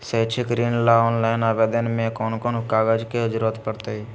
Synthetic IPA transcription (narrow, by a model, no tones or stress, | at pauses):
sət͡ʃʰɪkɾiːnlaɔːnlaːɪnaːbeːd̪ənmẽkɔːnkɔnkaːɡəd͡ʒkeʊd͡ʒɾət̪pəɾt̪ei